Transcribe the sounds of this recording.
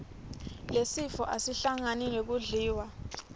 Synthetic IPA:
lesifɔʔasiɬaŋaniŋek̬uɮiːwa

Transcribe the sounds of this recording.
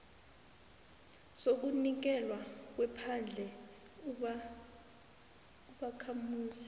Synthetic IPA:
sok̬unik̬ɛlwak̬wɛpʰand͡ɮʱɛ | uɓakʰamuːsi̥

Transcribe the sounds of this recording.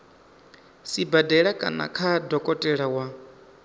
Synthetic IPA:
sibadɛɺakʼa̰na̰kʰadɔkʼɔtʼɛɺawa

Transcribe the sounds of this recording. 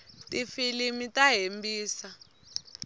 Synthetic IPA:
tʼifilimitʼaɦembiːsa

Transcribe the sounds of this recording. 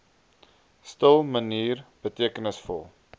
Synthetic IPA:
stəlˠməniːrb̥ətiəkənəsfɔ̰lˠ

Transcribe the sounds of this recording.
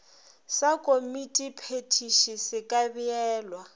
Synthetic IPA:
sakʼomitʼipʰetʰiʃisɪkʼabiɛːlwa

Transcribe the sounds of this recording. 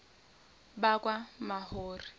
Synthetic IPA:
bakʼwamahoːri

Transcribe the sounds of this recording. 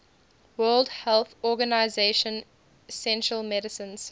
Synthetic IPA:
wɜːlˠdhɛlˠθɔɡanaɪzeʃə̃n | sɛ̃nʃɹəlˠmɛɾəsə̃nz̥

